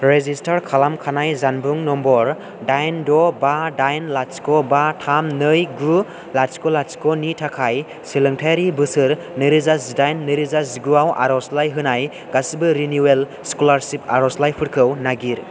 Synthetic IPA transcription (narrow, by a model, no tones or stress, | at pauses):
ɾezistaɾkʰalamkʰanajzanbuŋnɔmbɔɾ | dajndɔbadajnlat͡ʃkɔbatʰamnɯjɡɾu | lat͡ʃkɔlat͡ʃkɔnitʰakʰaj | silɯŋtʰajɾibɯsɯɾ | nɯɾɯzasdajnːɯɾɯzasɡuawʔa̰ɾɔslajɦɯnaj | ɡasibɯɾinuwel | skulaɾsipaɾɔslajpʰɯɾkʰɯwnaɡiɾ